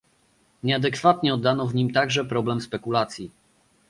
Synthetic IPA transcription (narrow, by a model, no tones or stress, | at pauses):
ɲɛad̪ɛkfat̪ɲɛɔd̪ːanɔvɲimt̪aɡʐɛpɾɔblɛmspɛkulat̪sʲji